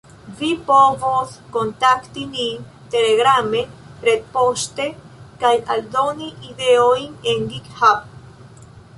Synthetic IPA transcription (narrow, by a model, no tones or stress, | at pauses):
vipoβoθkont̪akt̪inin | t̪eleɣɾamepɾet̪̚poʃt̪e | kaja̰ld̪oniʔiðeoineŋɡikhap̚